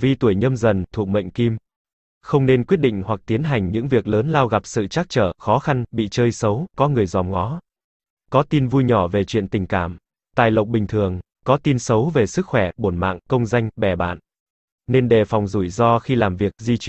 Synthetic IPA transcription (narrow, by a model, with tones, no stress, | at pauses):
vi˧t̪u˧˩əjɲə˧mzə˨˩nt̪ʰu˨˩k̚mɓə̰˧˨jŋ̟ki˧m | xə˧wŋ͡mne˧nkwi˦˥ɗḭ̈˧˨ŋ̟hwa˨˩k̚t̪i˨˦ənɦa˨˩jŋ̟ɲɨ̰˧˥ŋvi˨˩ək̚ləː˨˦nlaː˧wɣa˨˩p̚sɨ̰˧˨t͡ɕaː˦˥k̚t͡ɕəː˧˩xɔ˨˦xa˧nɓḭ˧˨t͡ɕəː˧jsə˨˦wkɔ˨˦ŋɨ˨˩əjzɔ˨˩mŋɔ˨˦ | kɔ˨˦t̪i˧nvu˧jɲɔ˧˩ve˨˩t͡ɕwḭ˧˨ənt̪ï˨˩ŋ̟kaː˧˩m | t̪aː˨˩jlə̰˨wk͡p̚ɓï˨˩ŋ̟t̪ʰɨ˨˩əŋ | kɔ˨˦t̪i˧nsə˨˦wve˨˩sɨ˦˥k̚xwɛ˧˩ɓo˧˩nma̰ː˧˨ŋkə˧wŋ͡mza˧jŋ̟ɓɛ˨˩ɓa̰ː˧˨n | ne˧nɗe˨˩fa˨˩wŋ͡mzu˧˩jzɔ˧xi˧laː˨˩mvi˨˩ək̚zi˧t͡ɕ